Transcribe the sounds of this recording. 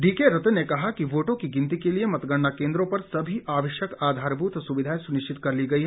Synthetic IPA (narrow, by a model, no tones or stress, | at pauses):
ɖiːkeɾɐt̪nekɐɦakiʋoːʈõkiɡɪ̃nt̪ikeliemɐt̪ɡəɽnakẽːnd̪ɾõpɐɾsɐbʱiʔaːʋɐʃjəkaːd̪ʱaːɾbuːt̪sʊʋɪd̪ʱaːjesʊnɪʃt͡ʃɪt̪kɐɾliɡɐiɦɛ